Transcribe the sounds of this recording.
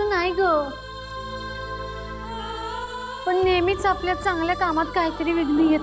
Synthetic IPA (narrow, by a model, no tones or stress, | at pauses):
ənajɡə | pəɳnemiːt͡sapljat͡sãŋɡljakamat̪kaɦit̪əɾiːʋiɡnijet̪